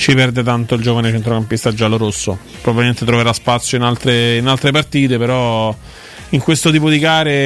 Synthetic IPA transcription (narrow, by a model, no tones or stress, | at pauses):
t͡ʃipɛrd̪et̪ant̪oild͡ʒoːvanet͡ʃent̪ɾokampist̪ad͡ʒːaloɾosːo̰ | pɾobaviment̪et̪ɾoveɾaspat̪sːjoinalt̪ɾeinalt̪ɾepart̪iːt̪epeɾɔ | iŋkwest̪ot̪iːpod̪ikaːɾe